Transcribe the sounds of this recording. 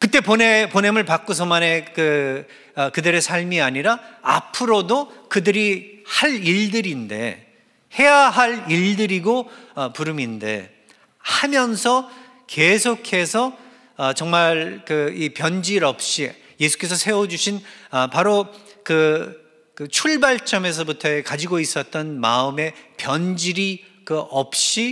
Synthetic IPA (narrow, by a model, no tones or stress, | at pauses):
kɯt͈e̞pone̞pone̞mɯɭpak͈osʰʌmane̞kɯ | ʌkɯdɯɾe̞sʰaɭmiaɲiɾaa̰pʰɯɾodokɯdɯɾihaɾiɭdɯɾinde̞̰ | he̞jaɦaɭiɭdɯɾiɡoʌpuɾɯminde̞̰ | hamjʌnsʰʌ | ke̞sʰokʰe̞sʰʌː | t͡ɕʌŋmaɭkɯipjʌnd͡ʑiɾʌp̚ɕ͈i | je̞sʰu̥k͈e̞sʰʌsʰe̞wʌd͡ʑuɕʰinʌpaɾokɯ | kɯt͡ɕʰuɭbaɭt͡ɕ͈ʌme̞s̬ʰʌbutʰʌkad͡ʑiɡois͈ʌt̚t͈ʌnma̰ɯme̞pjʌnd͡ʑiɾi | kɯʌp̚ɕ͈i